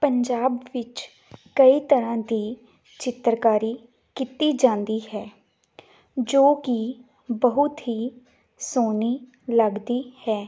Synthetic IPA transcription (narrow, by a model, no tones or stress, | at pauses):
pəɲd͡ʒaːbʋɪt͡ʃ | kəiːt̪əɾãːd̪iː | t͡ʃɪt̪ɾkaːɾiː | kit̪iːd͡ʒãːnd̪iːɦɛː | d͡ʒoːkiː | bəɦʊt̪ɦiː | soːniː | ləɡd̪iːhɛː